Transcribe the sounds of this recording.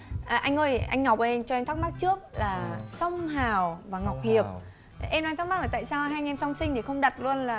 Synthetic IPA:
ʔaː˨˩ʔa˧jŋ̟ʔəː˧jʔa̰˧jŋŋɔ˨˩p̚ə˧˩ʔɛ˧mt͡ɕɔ˧ʔɛ˧mt̪ʰa˦˥ma˦˥t̚t͡ɕɨ˦˥ək̚laː˨˩sə˧wŋ͡mɦaː˨˩wvaː˨˩ŋa˨˩wk͡p̚hi˨˩əp̚ | ʔɛ˧mn˧jt̪ʰk̚ma˦˥laː˨˩t̪a̰ː˧˨jsaː˧wɦaː˧ŋɛ˧msa˧wŋ͡msï˧ŋ̟t̪ʰi˨˩xə˧wŋ͡mɗə˨˩t̚lu˧ənlaː˨˩

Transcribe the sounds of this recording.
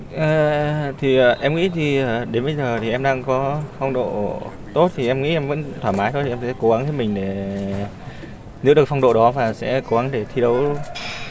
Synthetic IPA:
ʔəː˨˩t̪ʰi˨˩ʔəː˨˩ʔɛ˧mŋḭ˧˥t̪ʰiː˨˩˨ɗe˨˦nɓə˧jzəː˨˩t̪ʰi˨˩ʔɛ˧mɗaː˧ŋkɔ˨˦fɔ˧wŋ͡mɗo̰˧˨ | t̪o˦˥t̚t̪ʰi˨˩ʔɛ˧mŋḭ˧˥ʔɛ˧mvə̰˧˥nt̪ʰwaː˧˩maː˨˦jt̪ʰo˧j̪ʰsɛ̰˧˥ko˨˦ɣa˨˦ŋt̪ʰə˨˦mï˨˩ŋ̟ɗe˧˩ | nɨ̰˧˥ɗɨ˨˩ək̚fa˧ŋ͡mɗo̰˧˨ɗɔ˨˦vaː˨˩sɛ̰˧˥ko˨˦ɣa˨˦ŋɗe˧˩t̪ʰi˧ɗə˨˦w

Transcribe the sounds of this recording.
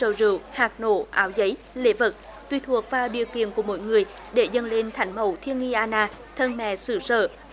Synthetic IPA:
ə̰˧˩wzɨ̰˧˨əwhaː˨˩k̚no̰˧˩ʔaː˨˦wzə˨˦j | le˨˦və˨˩t̚ | t̪wi˧t̪ʰu˨˩ək̚vaː˨˩wɗḭ˧˨əwkḭ˧˨ənku˧˩əmo̰˧˥˦jŋɨ˨˩əj | ɗe˧˩zə˨˧˩nle˧nt̪ʰa˨˦jŋ̟mə̰˧˩wt̪ʰi˧ənŋi˧ʔaː˧naː˧ | t̪ʰə˧nmɛ̰˧˨sɨ˧˩sə̰ː˧˨

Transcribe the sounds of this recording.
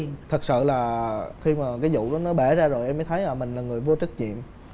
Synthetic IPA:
t̪ʰɨ˨˩k̚sɨ̰˧˨laː˨˩xi˧maː˨˩kaː˨˦jzṵ˧˨ɗɔ˨˦nɔ˨˦ɓɛ˧˩zaː˧zo˨˩jʔɛ˧mː˨˦jt̪ʰə˨˦jaː˨˩mï˨˩ŋ̟laː˨˩ŋɨ˨˩əjvu˧t͡ɕə˦˥k̚ɲḭ˧˨əm

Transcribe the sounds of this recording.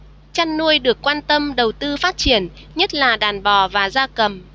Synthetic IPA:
t͡ɕa˧nːu˧əjɗɨ˨˩əkːwaː˧nt̪ə˧mɗə˨˩wt̪ɨ˧faː˦˥t̚t͡ɕi˧˩˨ən | ɲə˦˥t̚laː˨˩ɗaː˨˩nɓɔ˨˩vaː˨˩zaː˧kə˨˩m

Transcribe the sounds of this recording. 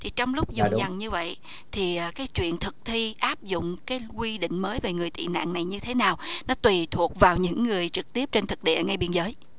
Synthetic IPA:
t̪ʰi˨˩t͡ɕɔ˧wŋ͡mlʊ˦˥k͡p̚zʊ˨˧˩ŋ͡mza˨˩nɲɨ˧və̰˧˨j | t̪ʰiː˨˩˨kaː˨˦jt͡ɕwḭ˧˨ənt̪ʰɨ˨˩k̚t̪ʰi˧ʔaː˦˥p̚zʊ̰˧˨ŋ͡mkaː˨˦jkwi˧ɗḭ̈˧˨ŋ̟məː˨˦jve˨˩ŋɨ˨˩əjt̪ḭ˧˨na̰ː˧˨ŋna˨˩jɲɨ˧t̪ʰe˨˦naː˨˩wnɔ˨˦t̪wi˨˩t̪ʰu˨˩ək̚vaː˨˩wɲɨ̰˧˥ŋːɨ˨˩əjt͡ɕɨ˨˩k̚t̪i˦˥əp̚t͡ɕe˧nt̪ʰɨ˨˩k̚ɗḭ˧˨əŋa˧jɓi˧ənzəː˨˦j

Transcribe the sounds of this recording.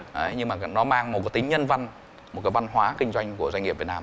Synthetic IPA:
ʔə˨˦jɲɨ˧ŋmaː˨˩˨nɔ˨˦maː˧ŋmo˨˩t̚ka˨˦t̪ŋ̟ɲə˧nva˧n | mo˨˩t̚kaː˨˦va˧nɦwaː˨˦kï˧ŋ̟zwa˧jŋ̟ku˧˩əzwjŋi˨˩pvi˨˩tnː˧

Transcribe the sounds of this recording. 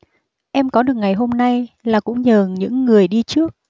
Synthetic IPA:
ʔɛ˧mkɔ˨˦ɗɨ˨˩ək̚ŋa˨˩jɦo˧mna˧jlaː˨˩kʊ̰˧˥ŋ͡mɲəː˨˩ɲɨ̰˧˥ŋːɨ˨˩əjɗi˧t͡ɕɨ˦˥ək̚

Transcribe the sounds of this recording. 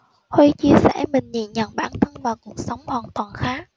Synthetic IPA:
hwe˧t͡ɕi˧əsɛ̰˧˥˩mï˨˩ŋ̟ɲḭ˧˨nɲə̰˧˨nɓaː˧˩nt̪ʰə˧nvaː˨˩wku˨˩ək̚sə˨˦wŋ͡mhwaː˨˩nt̪waː˨˩nxaː˨˦˥k̚

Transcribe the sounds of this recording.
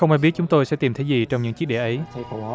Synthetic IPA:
xə˧wŋ͡mʔa˧jɓi˦˥ət̚t͡ɕʊ˨˦ŋ͡mt̪o˧jsɛ̰˧˥t̪i˨˩mt̪ʰjzi˨˩t͡ɕɔ˧wŋ͡mɲɨ̰˧˥ŋt͡ɕi˦˥k̚ɗe˧˩ʔə˨˦j

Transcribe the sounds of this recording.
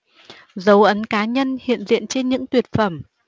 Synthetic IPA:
zə˨˦wʔə˨˦nkaː˨˦ɲə˧nhḭ˧˨ənzḭ˧˨ənt͡ɕe˧nɲɨ̰˧˥ŋt̪wi˨˩ət̚fə˧˩m

